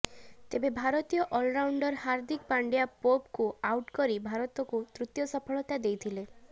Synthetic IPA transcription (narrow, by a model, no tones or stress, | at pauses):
t̪ebebʱaɾɔt̪ijɔʔɔlɾawɳɖɔɾhaɾd̪ʱikpaɳɖjapopkuawʈkɔɾibʱaɾɔt̪ɔkut̪ɾut̪jɔsɔpʰɔɭɔt̪ad̪ejt̪ʰile